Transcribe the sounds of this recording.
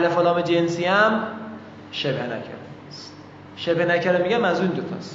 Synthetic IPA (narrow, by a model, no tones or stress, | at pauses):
ælefolɒːmed͡ʒensiːæm | ʃebhenæ̰cʰæ̰ɾ | st̪ | ʃebhenæcʰæɾemiɡæmæzuːnd̪ot̪ʰɒ̰ːst̪